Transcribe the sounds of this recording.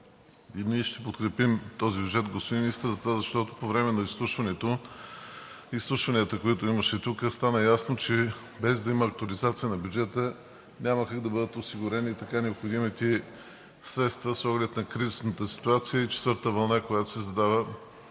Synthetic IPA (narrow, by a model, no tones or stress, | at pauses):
iniɛʃt̪ɛpot̪kɾɛpimt̪ɔzibʲjud͡ʒɛt̪ɡospod̪imiist̪əɾzɐt̪ovazɐʃt̪ɔt̪opovɾɛmɛnɐislˠuʃvɐnɛt̪o | islˠuʃvɐniət̪əkoit̪oiməʃɛt̪ukəst̪anəjasnot͡ʃɛ | bɛzd̪ɐimɐːk̚t̪ʊɐlizat̪siənɐbʲjud͡ʒɛt̪ə | nʲaməkaɡd̪ɐbɤd̪ət̪osiɡʊɾɛniːt̪ɐkanɛopxod̪imit̪i | sɾɛt̪st̪vəsɔɡlɛt̪nɐkɾizisnət̪əsi̥t̪uat̪sijəit͡ʃɛ̥t̪vɤɾtt̪əvɐlˠnakojat̪o̥sɛzɐd̪avə